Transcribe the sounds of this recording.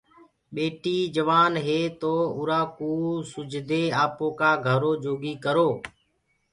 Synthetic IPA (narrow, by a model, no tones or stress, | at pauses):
ɓeːʈiːd͡ʒəʋaːnɦeːt̪oːʊɾaːkuːsʊd͡ʒd̪ʱeːaːpõːkaːɡʱəɾoːd͡ʒoːɡiːkəɾoː